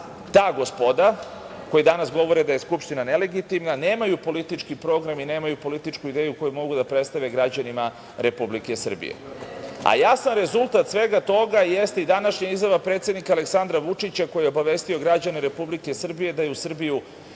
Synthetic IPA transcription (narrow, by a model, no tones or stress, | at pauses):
t̪aːɡo̞spo̞d̪a | ko̞jid̪anasɡo̞ʋo̞ɾed̪ajeskupʃt̪inane̞le̞ɡit̪imnaneːmajupo̞lit̪it͡ʂkipɾo̞ɡɾamine̞ːmajupolit̪it͡ʂkuid̪ejuko̞jumo̞ɡud̪apɾet̪st̪aʋeɡɾad͡ʑanima | ɾe̞publike̞sr̩bḭjḛa̰jasanɾe̞zulˠt̪at̪sʋe̞ɡat̪o̞ɡaje̞st̪eid̪anaʃɲaizjaʋapɾet̪sje̞d̪nikale̞ksand̪ɾaʋut͡ʂit͡ɕako̞jieobaʋe̞st̪io̞ɡɾad͡ʑane̞ɾe̞publike̞sr̩bije̞d̪ajusr̩biju